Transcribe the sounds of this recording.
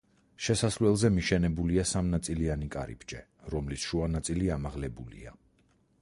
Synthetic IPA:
ʃɛsaslɛlˠzɛmiʃɛnɛbuliasamnat̪sʼilianikʼa̰ɾḭpʰd͡ʒɛ | ɾɔmlisʃuanat̪sʼiliamaʁlɛbulḭa

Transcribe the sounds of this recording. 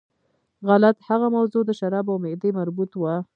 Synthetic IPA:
ɣalat̪haɣamawzod̪əʃaɾɑbawmɪd̪emaɾbut̪wa

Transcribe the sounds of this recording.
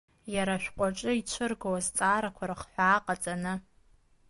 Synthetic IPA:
jaɾaʃʷᶣqʷʼaʈ͡ʂʼɨit͡ʃʷʰɨrɡawazt͡sʼaːɾakʷʰaɾaχħʷaːqʼat͡sʼanɨ

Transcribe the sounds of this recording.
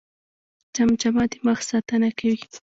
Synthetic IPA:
t͡ʃamt͡ʃamɑt̪ɪmaxsat̪anakawi

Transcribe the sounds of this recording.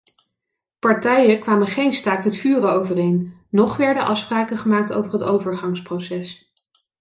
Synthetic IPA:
pɑɹtɛjəkʋaːməχejnstaːkətfyːrəowvərejnː | ɔχʋɛɹdəʔɑfspraːkəχəmaːk̚to̰wvəɹɦətowvəɹχɑŋsprowsɛs

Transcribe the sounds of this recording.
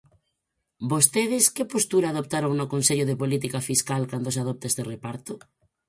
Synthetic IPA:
bost̪eðɪskepost̪uɾaːðop̚t̪aɾoŋnokonseʎoð̞epolit̪ikafiskalkand̪osaðop̚t̪aest̪erepaɾt̪o

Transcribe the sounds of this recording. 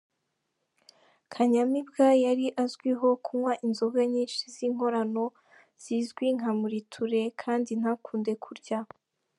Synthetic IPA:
kʰaɲamibɡajaɾiʔazɡwiɦo̞kumwaʔinzoɡaɲiːnʃiziŋ̥ho̞ɾano̞ | z̥izɡwiŋamuɾitʰuɾe̞kʰaːndin̥hakʰuːnde̞kʰuɾɟa

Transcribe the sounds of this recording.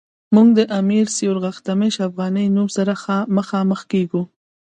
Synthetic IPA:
muɡ̚d̪əʔamiɾsijoɾɣaxt̪ameʃafɣɑnəjnumsaɾaməxɑməxkeɡu

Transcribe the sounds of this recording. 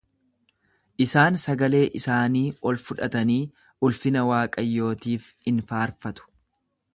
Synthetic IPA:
ʔɪsaːnsɐɡɐle̞ːʔɪsaːniːɔlfʊᶑɐt̪ɐniː | ʔʊlfɪnɐwaːkʼɐjːo̞ːt̪iːf | ɪnfaːɾfɐt̪ʊ̥

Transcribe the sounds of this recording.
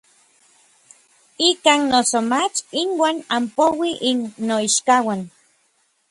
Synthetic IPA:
ikaːnnosomat͡ʃinwaːnampowiʔinːoiʃkawan

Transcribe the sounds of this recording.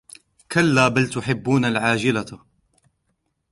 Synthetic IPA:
kʰalːaːbalt̪ʊħɪbːuːnalʕaːd͡ʒɪla

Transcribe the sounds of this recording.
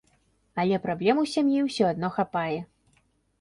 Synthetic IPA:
ɐlʲɛpɾablʲɛmuwsʲamjiwsʲɔad̪̚nɔxapajɛ

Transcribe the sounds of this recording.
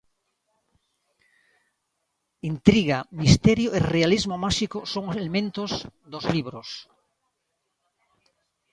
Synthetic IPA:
int̪ɾiɣamist̪ɛɾjoʔerealizmomaʃikosoŋoselemẽnt̪ozðozliβɾos

